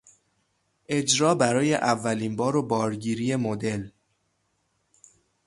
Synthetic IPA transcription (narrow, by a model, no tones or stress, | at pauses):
ʔe̞d͡ʒɾɒːbæɾɒːje̞ʔævːæliːnbɒːɾobɒːɾɟiːɾije̞mo̞d̪e̞l